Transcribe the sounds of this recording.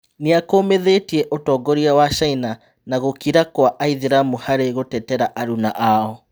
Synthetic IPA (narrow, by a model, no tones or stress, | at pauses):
neakoːmeðeːtiɛʔotɔːɡɔɾiawaʃaina | naɣokiɾakwaʔaiðiɾamuhaɾeɣotɛtɛɾaʔaɾunaʔaɔ